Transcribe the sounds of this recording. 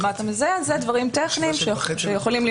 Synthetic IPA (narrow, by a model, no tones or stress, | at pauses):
mat̪emezeazed̪vaʁimt̪eχniːmʃeʃejeχolimli